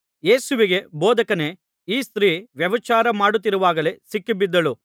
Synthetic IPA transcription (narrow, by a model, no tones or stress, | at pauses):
je̞ːsuʋiɡe̞boːd̪ɐkɐne̞ | iːst̪ɾiːʋjɐʋɐt͡ʃaːɾɐmaːɽut̪ːiɾuʋaːɡɐle̞sikːibid̪ːɐlu